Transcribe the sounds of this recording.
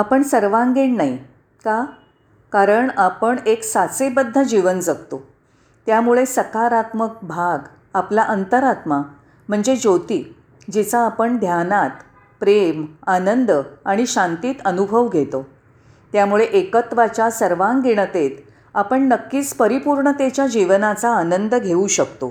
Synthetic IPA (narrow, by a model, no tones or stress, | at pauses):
apəɳsəɾʋãŋɡeɳnai | ka | kaɾəɳapəɳeksat͡sebəd̪ʱːəd͡ʑiʋənd͡zəkt̪o | t̪jamuɭesəkaɾat̪mək̚bʱaɡ | aplaʔənt̪əɾat̪ma | m̤əɳd͡zed͡ʑot̪iː | d͡ʑet͡saːpəɳd̪ʱjanat̪ | pɾemanənd̪əaɽ̃iɕãnt̪iːt̪ənubʱəʋɡʱet̪o | t̪jamuɭeʔekət̪ʋat͡ɕasəɾʋãŋɡiɽ̃ət̪et̪ | apəɳnəkːiːt͡spəɾipuɾɳət̪et͡ɕjad͡ʑiʋnat͡saːnənd̪əɡʱeuɕək̚t̪o